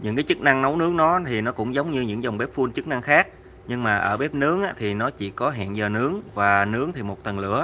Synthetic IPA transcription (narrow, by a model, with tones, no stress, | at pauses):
ɲɨ̰˧˥ŋkaː˨˦jt͡ɕɨ˦˥k̚na˧ŋnə˨˦wnɨ˦əŋnɔ˨˦t̪ʰi˨˩nɔ˨˦kʊ̰˧˥ŋ͡mzə˨˦wŋ͡mɲɨ˧ɲɨ̰˧˥ŋza˨˩wŋ͡mɓɛ˦˥p̚fu˧ənt͡ɕɨ˦˥k̚na˧ŋxaː˦˥k̚ | ɲɨ˧ŋmaː˨˩ʔəː˧˩ɓɛ˦˥p̚nɨ˨˦əŋʔaː˧˥t̪ʰi˨˩nɔ˨˦t͡ɕḭ˧˩kɔ˨˦ɦɛ̰˧˨nzəː˨˩nɨ˨˦əŋvaː˨˩nɨ˨˦əŋt̪ʰi˨˩mo˨˩t̚t̪ə˨˩nlɨ̰˧˩ə